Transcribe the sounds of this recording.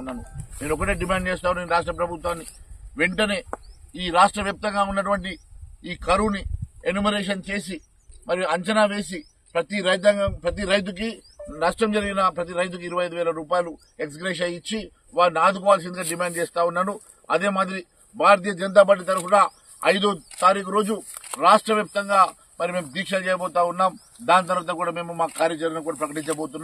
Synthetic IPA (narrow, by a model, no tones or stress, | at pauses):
unːaːnuneːnɔkːɐʈe̞ːɖimaːɳɖ̚t͡ʃeːst̪aːunːeːnɾaːʂ̬ʈɾɐp̬ɾɐbʱut̪ʋaːnːiʋeɳʈɐne̞ːiːɾaːʂʈɾɐʋjɐːp̚t̪ɐŋɡaːunːɐʈ̬uʋɐɳʈiiːkɐɾunienumiɾeːʂ̬ɐnt͡ʃe̞ːs̬i | mɐɾijuɐɲt͡ʃɐnaːʋe̞ːs̬i | pɾɐt̪iɾɐjt̪̬ɐŋpɾɐt̪̬iɾɐjt̪̬uk̬i | nɐʂʈɐmd͡ʒɐɾiɡinɐpɾɐt̪̬iɾɐjt̪̬ukiːɾuʋɐjɐjd̪uʋɛːlɐɾuːpaːjɐlu | eks̬ɡɾeːʃ̬ɐjit͡ʃːi | ʋaːɾnaːd̪ʱuk̬ɔːʋaːls̬ind̪uɡɐɖimaːɳɖ̚t͡ʃeːst̪aːunːanu | ɐd̪eːmaːd̪iɾi | bʱaːɾt̪̬ijɐd͡ʒɐnt̪̬aːp̬aːʈit̪ɐɾupɐnɐ | ɐ̰jd̪oːt̪aːɾiːkuɾo̞ːd͡ʒuɾaːʂʈɾɐʋjaːp̚t̪ɐŋɡaː | mɐɾime̞ːmud̪iːkʂɐlt͡ʃɛːjɐbɔːt̪aːunːaːm | d̪aːnt̪ɐɾʋaːt̪ɐkuːɽaːme̞ːmumaːkukaːɾjɐd͡ʒɐɾɡinɐkuːɽaːpɾɐkɐʈiɲt͡ʃɐboːt̪unːa